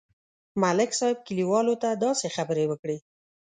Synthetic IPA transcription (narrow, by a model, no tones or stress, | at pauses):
malɪksɑjɪb̚kəliwɑlot̪ad̪ɑsexabəɾewəkɽe